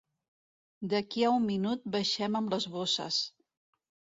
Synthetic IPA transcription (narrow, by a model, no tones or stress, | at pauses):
d̪əkiaumːinut̪̚bəʃɛməmləzβosə̰s